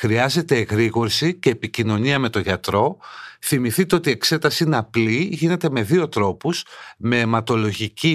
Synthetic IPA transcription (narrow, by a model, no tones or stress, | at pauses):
xɾiɐze̞t̪e̞ɣɾiɣo̞ɾsice̞ːpicino̞ɲiɐme̞t̪o̞ʝɐt̪ɾo̞θimiθit̪eo̞t̪ie̞kse̞t̪ɐsiineɐpliʝine̞t̪e̞me̞ðio̞t̪ɾo̞pusme̞ːmɐt̪o̞lo̞ʝici